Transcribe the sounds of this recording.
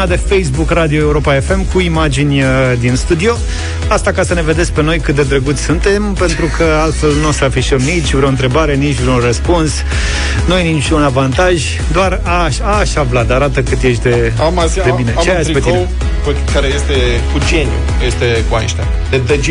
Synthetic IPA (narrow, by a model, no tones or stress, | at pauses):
ad̪e̞fejs̬bukrad̪io̞e̞uɾo̞pae̞fe̞mkuimad͡ʒinʲd̪inst̪ud̪io̞ | ast̪akasəne̞ve̞d̪esk̚ʲpe̞no̞jkɨt̪̚d̪e̞d̪ɾeɡut̪sʲsunt̪e̞mpe̞nt̪ɾukʰəalt̪fe̞lnusəafiʃəmnit͡ʃʲvɾeo̞nt̪ɾe̞baɾe̞nit͡ʃʲvɾeorəspuns | nujenit͡ʃʲunavant̪aʒʲ | d̪oar | a | ʃaːʃavlad̪aɾat̪əkɨt̪je̞ʃ̬ʲd̪e̞ | ama | d̪ebinet͡ʃeajasipetk̪in | p | kaɾejest̪e | kud͡ʒenjṵ | jest̪ekua̰ʃt̪a | d̪ed̪ed͡ʒ